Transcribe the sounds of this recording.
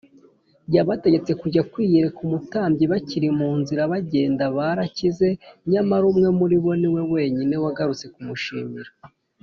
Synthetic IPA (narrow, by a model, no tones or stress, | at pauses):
jaβate̞ɟe̞t͡se̞kuɟakwiːjeɾe̞kumutaːmbɟiβaciɾimuːnziɾaβaɟe̞ːndaβaɾacize̞ɲamaɾumŋe̞muɾiβo̞niwe̞we̞ːɲine̞waɡaɾut͡se̞kumuʃiːmiɾa